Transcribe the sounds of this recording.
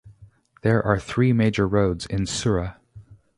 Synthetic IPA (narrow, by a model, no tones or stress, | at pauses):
ðə˞ʔə˞θɹiːmeɪd͡ʒə˞ɹoʊdzɪ̃nsʊɹə